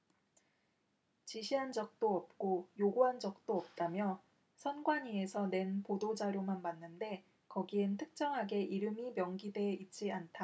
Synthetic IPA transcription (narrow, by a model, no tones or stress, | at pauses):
t͡ɕiɕʰiɦand͡ʑʌk̚t͈oʌp̚k͈ojoɡuɦand͡ʑʌk̚t͈oʌp̚t͈amjʌ | sʰʌnɡwaɲiesʰʌne̞npodod͡ʑaɾjomanmanːɯnde̞ | kʌɡientʰɯk̚t͡ɕ͈ʌŋɦaɡe̞ʔiɾɯmimjʌŋɡide̞it͡ɕ͈iantʰa